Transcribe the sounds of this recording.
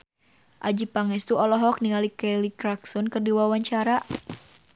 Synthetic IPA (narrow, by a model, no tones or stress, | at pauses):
ʔad͡ʒipaŋɛst̪uɔlɔɦɔk̚niŋalikɛlikɾaksɔnkərdiwawaɲt͡ʃaɾa